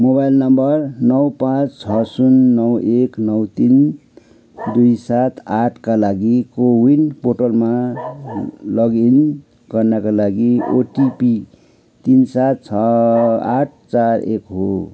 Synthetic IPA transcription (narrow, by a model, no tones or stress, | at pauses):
mobajlnʌmbʌrnʌwpãt͡st͡sʰʌsunːʌweknʌwt̪in | d̪ujsat̪ʰaʈʰkalaɡikowinpoʈʌlma | lʌɡin | ɡʌrnakalaɡioʈipi | t̪insat̪̚t͡sʰʌa̰ʈ̚ʰt͡sarekɦo